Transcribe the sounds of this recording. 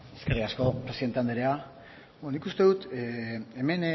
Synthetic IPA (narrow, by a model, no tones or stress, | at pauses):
e̥skerikasko̞pɾe̞siðe̞nt̪eand̪eɾea | onikust̪e̞ðut̪eeme̞n